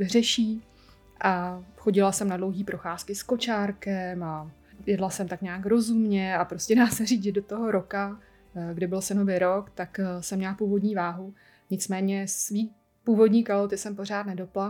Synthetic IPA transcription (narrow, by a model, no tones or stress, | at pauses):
rɛʃiː | ʔaxo̞ɟɪlasɛmnadlo̞wɦiːpɾo̞xaːskɪsko̞t͡ʃaːɾkɛma | jɛdlasɛmt̪akɲaːkɾo̞zumɲɛapɾo̞scɛdaːsɛriːʒɛdot̪oɦo̞ɾo̞ka | ɡdɪbɪlsɛnovɪɾokt̪aksɛmːɲɛlapuːvo̞dɲiːvaːɦu | ɲɪt͡smɛːɲɛsviː | puːvo̞dɲiːkalot̪ɪsɛmpo̞r̝aːt̪̚nɛdo̞pla